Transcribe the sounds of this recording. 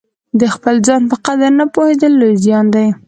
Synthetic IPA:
d̪əxpəlzɑnpəqad̪aɾnapohed̪əlːozjɑnd̪aj

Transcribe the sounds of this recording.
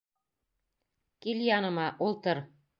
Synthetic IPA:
kilʲjɑnɤ̆mɑʔulˠt̪ɤ̆ɾ

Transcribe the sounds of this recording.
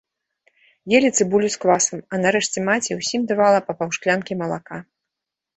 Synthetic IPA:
jelʲit̪sɨbulʲuskvasɐmɐnaɾɛʂt͡sʲɛmat͡sʲiwsʲimd̪ɨvalˠɐpɐpawʂklʲankʲimɐlˠaka

